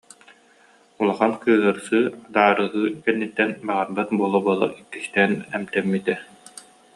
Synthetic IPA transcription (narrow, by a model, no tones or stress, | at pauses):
ulˠaχankɯːɦɯɾsɯːd̪aːɾɯːɦɯːkɛnːit̪ːɛnbaʁaɾbat̪̚buɔlˠɔbuɔlˠa̰ɾikːi̥st̪ɛːnɛmt̪ɛmːit̪ɛ